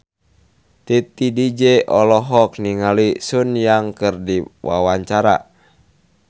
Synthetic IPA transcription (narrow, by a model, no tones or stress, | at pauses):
t̪it̪idid͡ʒɛʔɔlɔɦɔk̚niŋalisunjaŋkɨrdiwa̰waɲt͡ʃaɾa̰